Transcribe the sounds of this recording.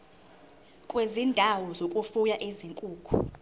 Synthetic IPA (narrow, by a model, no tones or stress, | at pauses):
kʼwezindʱawɔzokʼufujaʔeziŋkʼuːkʰṵ